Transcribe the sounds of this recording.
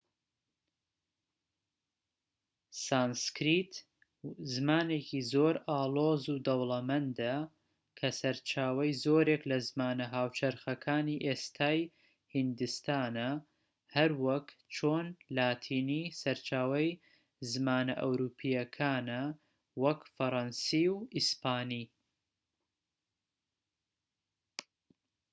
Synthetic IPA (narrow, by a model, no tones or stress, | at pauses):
saːnskɾit̪ | zɨmaːneːkʰiːzoːɾaːlˠoːzud̪ɐwlˠɐmɐnd̪a | kʰɐsɐɾt͡ʃaːwɐjzoːɾeklɐzmaːnɐɦaːwt͡ʃʰɐɾxɐkʰaːniːʔeːst̪ʰaːj | hɨnd̪ɨst̪aːnɐ | hɐɾwɐkt͡ʃʰoːnlaːt̪ʰiːnisɐɾt͡ʃaːwɐj | zɨmaːnɐʔɐ̰wɾuːpʰijɐkʰaːnɐ | wɐkfɐɾɑnsiːwʔispaːniː